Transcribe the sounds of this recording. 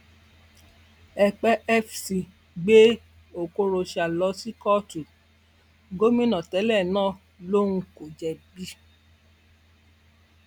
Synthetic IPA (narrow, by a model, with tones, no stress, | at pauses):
ɛ˨k͡pɛ˦ɛ˦fsi˨ | ɡ͡be˦ | o˨ko˧ɾo˧ʃa˨lɔ˧˦si˦kɔ˦tu˨ | ɡo˦mĩ˦nã˨tɛ˨˦lɛ˦˨nãː˦˨ | lo˦ko˨d͡ʒɛ˨bi˧˦